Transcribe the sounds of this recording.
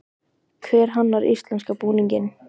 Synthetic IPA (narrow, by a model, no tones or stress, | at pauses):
kʰvɛːɾ̥ɦanːvaɾʔḭst̪lɛnskapuːniɲcɪn